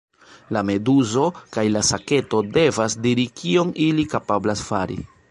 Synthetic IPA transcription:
lame̞duzo̞kajlasake̞to̞de̞vasdiɾikio̞ŋilikapablasfaɾḭ

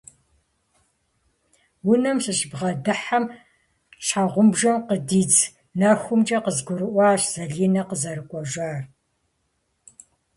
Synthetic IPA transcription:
wʊnɐmsɨɕbʁɐdɨħam | ɕʰħaʁʷʊmbʒɐmqədiːt͡s | nɐxʷʊmt͡ʃʼɐqəzɡʷʊɾɨʔʷɑːɕz̥ɐɮiːnɐqəzɐɾɨkʷʼɔʒʷaːr

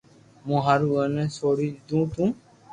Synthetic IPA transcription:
mũɦaɾuənɛ̃soɾid̪ũt̪ũ

